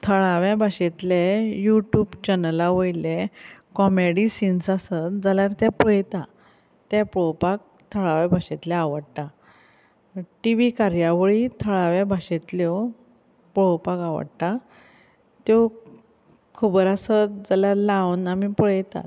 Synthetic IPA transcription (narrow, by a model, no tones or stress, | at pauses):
t̪ʰəɭaʋjabʱaɕet̪lejuʈjuːbt͡ɕɛnəlaʋojlekɔmeɽisinsasət̪d͡zaljaɾt̪japuɭjt̪a | t̪jãpɔpak̚ | t̪ʰəɭaʋjabʱaɕet̪leaʋəɽt̪a | ʈiʋikaɾjaʋəɭit̪ʰəɭaʋjãbʱaɕet̪ljɔ | pɭopakaʋə̰ɽt̪a | t̪jɔ | kʰəbəɾasət̪d͡zaljaɾlawnamipuɭjt̪a̰t̪